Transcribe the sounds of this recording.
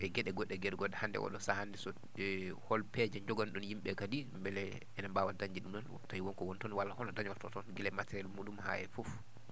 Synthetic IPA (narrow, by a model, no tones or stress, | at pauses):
ʔɛɡɛɗɛɡɔɗːɛɡɛɗɡɔɗɛhandɛ̰wɔ̰ɗɔsahandɛsɔ | hɔlpɛd͡ʒɛɲd͡ʒɔɡanɗunjimɓɛkadimbɛlɛ | ɛnambaːwadaɲd͡ʒiɗumɗɔn̰ | tajiwɔnkɔwɔntɔniwalːahɔnɔdaɲɔɾtɔtɔnɡɛlɛmatɛɾijalmuɗumha̰ɛfuf